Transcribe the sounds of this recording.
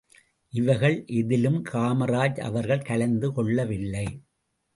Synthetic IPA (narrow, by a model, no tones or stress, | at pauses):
ʔɪʋɐɪɣɐɭʔɛðɪlɯmkʰaːmɐɾaːd͡ʒɐ̰ʋɐɾɣɐɭkɐɭɐnd̪ɯkɔɭːɐʋɪlːɐɪ